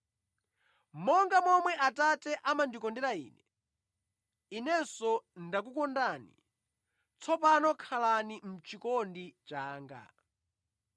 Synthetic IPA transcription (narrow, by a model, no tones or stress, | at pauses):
mɔŋɡamɔmwɛʔatatɛʔamandikɔndɛɾaḭːnɛ | inɛnsɔndak̬ukɔndanḭ | t͡sʰɔpanɔkʰalanim̩t͡ʃikɔndit͡ʃaːŋɡa̰